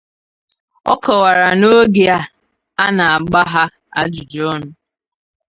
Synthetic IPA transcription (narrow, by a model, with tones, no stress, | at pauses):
ɔ̰˦kʰɔ˨wa˨ɾa˨no˦ɡe˨a˦ | a˦na˨a˨ɡ͡ba˦ɦa˦ | a̰˦d͡ʒu˨d͡ʒɔ˦nʊ˨˦